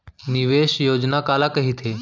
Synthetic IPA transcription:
niʋeʃjod͡ʑnakalakəɦiːt̪ʰe

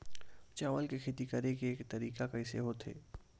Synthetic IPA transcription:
t͡ʃaːʋəlkekʰeːt̪ikəɾekeeːkt̪ɐɾiːkakaɪsḛɦot̪ɦḛː

